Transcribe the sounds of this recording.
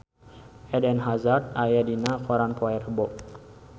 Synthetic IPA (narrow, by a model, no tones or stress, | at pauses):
ɛdɛnɦazart̪ajadinakɔɾanpʰɔɛrəbɔʔ